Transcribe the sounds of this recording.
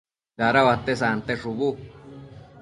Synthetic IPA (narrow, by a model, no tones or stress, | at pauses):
ɡaɾawat̪esant̪eʂuβu